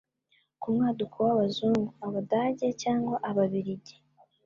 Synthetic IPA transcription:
kumŋaːdukʰuwaβazuːŋɡuaβadaːɟecaːŋɡwaʔaβaβiɾiɟe

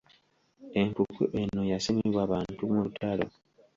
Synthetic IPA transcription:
e̞ŋkukʰṵʔe̞nːojasemiβwaːβaːntumulutʰalo̰

